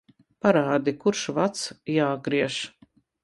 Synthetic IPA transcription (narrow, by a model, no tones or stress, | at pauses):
paɾaːd̪ikuɾʃvat̪sjaːɡɾiɛʃ